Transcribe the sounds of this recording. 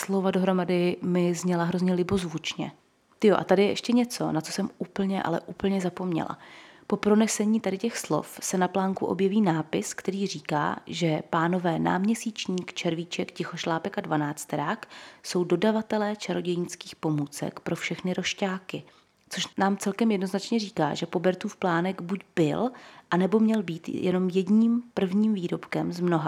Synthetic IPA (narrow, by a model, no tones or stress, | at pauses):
slo̞vadoɦɾo̞madɪmɪzɲɛlaɦɾo̞zɲɛlɪbo̞zvut͡ʃɲɛ̰ | t̪ɪjoʔa̰t̪adɪjɛʔɛʃcɛɲɛt͡so̞̰nat͡sosɛmuːpl̩ɲɛʔa̰lɛ̰ʔuːpl̩ɲɛzapo̞mɲɛ̰la̰po̞pɾo̞nɛsɛɲiːt̪adɪcɛxslo̞̰fsɛnaplaːŋkuʔo̞̰bjɛviːnaːpɪskt̪ɛɾiːr̝iːka̰ːʒɛpaːno̞vɛːna̰ːmɲɛsiːt͡ʃɲiːkt͡ʃɛɾvit͡ʃɛkcɪxo̞ʃlaːpɛkadvanaːt͡st̪ɛɾaːkso̞wdo̞davat̪ɛlɛːt͡ʃaɾo̞ɟɛjinskiːxpo̞muːt͡sɛ̰kpɾʔo̞fʃɛxnɪɾo̞ʃcaːkɪ | t͡so̞ʃnaːmt͡sɛlkɛmjɛdno̞znat͡ʃɲɛriːka̰ːʒɛpo̞bɛɾt̪uːfplaːnɛɡbuɟbɪlʔanɛbo̞mɲɛlbiːt̪jɛ̰no̞mjɛdɲiːmpr̩vɲiːmviːɾo̞pkɛmzmno̞ɦa